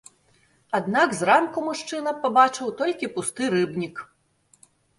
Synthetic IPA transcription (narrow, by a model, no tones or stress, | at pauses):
ad̪naɡzɾamkumuʂt͡ʂɨnɐpabat͡ʂɨwt̪ɔlʲkʲipust̪ɨɾɨbnʲik